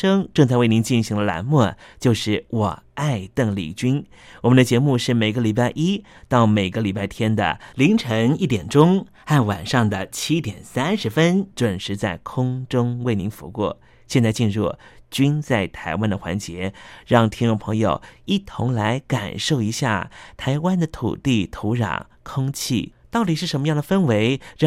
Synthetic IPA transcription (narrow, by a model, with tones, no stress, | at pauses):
ɤ˥ŋʈ͡ʂɤ˥˧ŋt͡sa˥˧ɪwe˥˩ɪni˧˥nt͡ɕi˥˩nɕi˧˥ŋd̪ə˧la̰˧˥nmwɔ˥˩t͡ɕjo˥˧ʊʂɻ̩˥˩wɔ˨˩a˥˧ɪt̪ɤ˥˩ŋlḭ˨˩t͡ɕy˥n | wɔ˨˩mə˦nd̪ə˧t͡ɕjɛ˧˥mu˥˧ʂɻ̩˥˩me˨˩ɪɡə˧li˨˩pa˥˩ɪʔi˥t̪ɑ˥˩ʊme˨˩ɪɡə˧li˨˩pa˥˩ɪt̪ʰjɛ˥nd̪ə̰˨˩li˧˥ŋʈ͡ʂʰɤ˧˥ŋi˥˩t̪jɛ˨˩nʈ͡ʂʊ˥ŋ | xa˥˩nwa̰˨˩nʂɑ˥˩ŋd̪ə˩t͡ɕʰi˥t̪jɛ˨˩nsa˥nʂɻ̩˧˥fə˥nʈ͡ʂwə˨˩nʂɻ̩˧˥t͡sa˥˩ɪkʰʊ˥ŋʈ͡ʂʊ˥ŋwe˥˩ɪni˧˥ŋfṵ˧˥kwɔ̰˥˩ | ɕjɛ˥˧nt͡sa˥˧ɪt͡ɕi˥˧nɻɔ̰˥˩t͡ɕy˥nt͡sa˥˩ɪt̪ʰa˧˥ɪwa˥nd̪ə˨xwa̰˧˥nt͡ɕjɛ˧˥ɻɑ˥˧ŋt̪ʰi˥ŋnʈ͡ʂʊ˥˩ŋpʰɤ˧˥ŋjo˨˩ʊi˥˩t̪ʰʊ̰˧˥ŋla˧˥ɪka̰˨˩nʂo˥˩ʊi˧˥ɕja̰˥˩t̪ʰa˧˥ɪwa˥nd̪ə˨t̪ʰṵ˨˩t̪i˥˩t̪ʰo˧˥ʊɻɑ̰˨˩ŋ | kʰʊ˥ŋt͡ɕʰḭ˥˩t̪ɑ˥˩ʊt̪i˨˩ʂɻ̩˥˩ʂə˧˥nmə˧jɑ˥˩ŋd̪ə˩fə˥nwe˧˥ɪɻ